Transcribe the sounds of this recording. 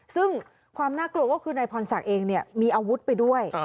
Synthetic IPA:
sɯ˥˩ŋ | kʰwaː˧mnaː˥˩klu˧əkɔː˥˩kʰɯː˧naː˧jpʰɔː˧nsa˨˩k̚ʔeː˧ŋni˥˩əmiː˧ʔa˧wu˦˥t̪̚pa˧jdu˥˩əj

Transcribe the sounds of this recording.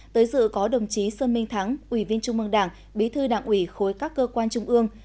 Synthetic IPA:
t̪əː˨˦jzɨ̰˧˨kɔ˨˦ɗə˨˩wŋ͡mt͡ɕi˨˦səː˧nmï˧ŋ̟t̪ʰa˨˦ŋʔwi˧˩vi˧ənt͡ɕʊ˧ŋ͡mʔɨ˧əŋɗaː˧˩ŋ | ɓi˨˦t̪ʰɨ˧ɗaː˧˩ŋʔwi˧˩xo˨˦jkaː˦˥kːəː˧kwaː˧nt͡ɕʊ˧ŋ͡mʔɨ˧əŋ

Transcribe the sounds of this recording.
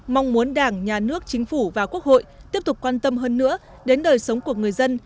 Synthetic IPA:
ma˧wŋ͡mmu˨˦ənɗaː˧˩ŋɲaː˨˩nɨ˦˥ək̚t͡ɕï˨˦ŋ̟fu˧˩vaː˨˩ku˦˥ək̚ho̰˧˨jt̪i˦˥əp̚t̪ʊ˨˩k͡p̚kwaː˧nt̪ə˧mɦəː˧nːɨ̰˧˥ə | ɗe˨˦nɗəː˨˩jsə˨˦wŋ͡mku˧˩əŋɨ˨˩əjzə˧n

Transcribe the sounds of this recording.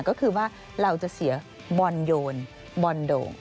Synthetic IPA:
kɔː˥˩kʰɯː˧waː˥˩ | ɾa˧wt͡ɕa˨˩ʔsi˩˦ɐ | bɔː˧njoː˧n | bɔː˧ndo̰ː˨˩ŋ

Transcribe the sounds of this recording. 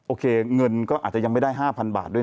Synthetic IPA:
ʔoː˧kʰeː˧ŋɤ˧nkɔː˥˩ʔaː˨˩t͡ɕa˨˩ja˧ŋma˥˩jda˥˩jɦaː˥˩pʰa˧nba̰ː˨˩t̪̚du˥˩˨

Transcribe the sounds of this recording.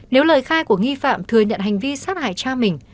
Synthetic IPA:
ne˨˦wləː˨˩jxaː˧jku˧˩əŋi˧fa̰ː˧˨mt̪ʰɨ˨˩əɲə̰˧˨nhɦa˨˩jŋ̟vi˧saː˦˥t̚ha̰ː˧˨jt͡ɕaː˧mï˨˩ŋ̟

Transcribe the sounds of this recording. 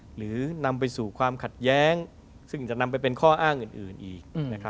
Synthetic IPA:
ɾɯː˩˦na˧mp̬a˧jsuː˨˩kʰwaː˧mkʰa˨˩t̪̚jɛː˦˥ŋ | sɯ˥˩ŋt͡ɕa˨˩na˧mp̬a˧jpe˧nkʰɔː˥˩ʔaː˥˩ŋʔɯː˨˩nʔɯː˨˩nʔiː˨˩k̚na˦˥kʰɾa˦˥

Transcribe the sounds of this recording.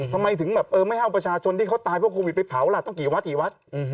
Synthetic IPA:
t̪ʰa˧mːa˧jt̪ʰɯ˩˦ŋbɛː˨˩p̚ʔɤː˧ma˥˩jha˥˩wpɾa˧t͡ɕʰaː˧t͡ɕʰo˧nt̪ʰiː˥˩kʰa˦˥˩t̪aː˧jpʰu˥˩kʰːoː˧wi˨˩t̪̚pa˧pʰa˨˩˦wla˧˩t̪ɔ˥˩ŋkiː˨˩˦wa˦˥kiː˨˩˦wa˦˥t̪̚

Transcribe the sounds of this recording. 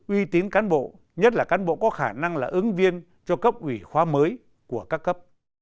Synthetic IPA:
ʔwi˧t̪i˨˦nkaː˨˦nɓo̰˧˨ | ɲə˦˥t̚laː˨˩kaː˨˦nɓo̰˧˨kɔ˨˦xaː˧˩na˧ŋlaː˨˩ʔɨ˨˦ŋvi˧ən | t͡ɕɔ˧kə˦˥p̚ʔwi˧˩xwaː˨˦məː˨˦j | ku˧˩əkaː˦˥kːə˦˥p̚

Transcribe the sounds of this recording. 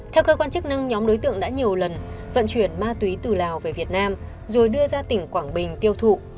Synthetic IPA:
t̪ʰɛ˧wkəː˧kwaː˧nt͡ɕɨ˦˥k̚na˧ŋɲɔ˨˦mɗo˨˦jt̪ɨ̰˧˨əŋɗa̰ː˧˥ɲi˨˩əwlə˨˩nvə̰˧˨nt͡ɕwi˧˩ənmaː˧t̪wi˨˦t̪ɨ˨˩laː˨˩wve˨˩vi˨˩ət̚naː˧m | zo˨˩jɗɨ˧əzaː˧t̪ï˧˩ŋ̟kwaː˧˩ŋɓï˨˩ŋ̟t̪i˧əwt̪ʰṵ˧˨

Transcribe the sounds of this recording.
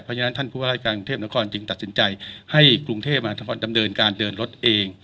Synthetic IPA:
pʰɔ˧˥jʰa˧na˦˥nt̪ʰa˥˩npʰuː˥˩˨aː˧˩aː˥˩kaː˧kŋt̪ʰeː˥˩p̚na˦˥kʰɔː˧nt͡ɕɯ˧ŋt̪a˨˩t̪̚si˩˦nt͡ɕa˧jha˥˩jkɾu˧ŋt̪ʰeː˥˩p̚maː˧nda˧mnɤː˧nkaː˧ndɤː˧nɾo˦˥t̪̚ʔeː˧ŋ

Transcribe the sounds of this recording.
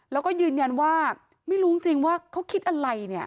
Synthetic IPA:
lɛː˦˥wkɔː˥˩jɯː˧nja˧nwaː˥˩ | ma˥˩jɾuː˦˥ŋt͡ɕi˧ŋwaː˥˩kʰa˦˥wkʰi˦˥t̪̚ʔa˧ɾa˧jni˥˩ɐ

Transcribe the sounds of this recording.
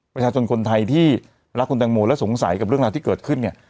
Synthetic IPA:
pɾa˧t͡ɕʰaː˧t͡ɕʰo˧nkʰo˧nt̪ʰa˧jt̪ʰiː˥˩ | ɾa˦˥kʰu˧nt̪ɛː˧ŋmoː˧lɛ˦˥wso˩˦ŋsa̰˨˩˦jka˨˩pɾɯ˥˩əŋɾa˧t̪iː˥˩kɤː˨˩t̪̚kʰɯ˥˩nːi˥˩ɐ

